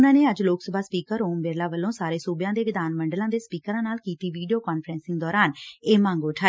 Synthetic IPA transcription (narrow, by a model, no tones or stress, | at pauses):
nãːneːəd͡ʒloːksəbʱaːspiːkəɾoːmbeːɾlaːʋəlːõːsaːɾeːsuːbjãːd̪eːʋɪd̪aːnməɳɖəlãːd̪eːspiːkəɾãːnaːlkiːt̪iːʋiːɖijoːkaːnfʰɾɛ̃ːnsɪŋɡd̪ɔːɾaːneːmãːŋɡoʊʈʰaː